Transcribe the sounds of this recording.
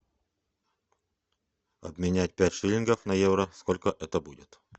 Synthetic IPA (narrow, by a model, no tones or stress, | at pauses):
ɐ̰bmʲɪnʲæt̚ʲpʲætʲʂɨlʲɪnɡəfnɐjevɾəskolʲkəʔɛt̪əbudʲɪt̪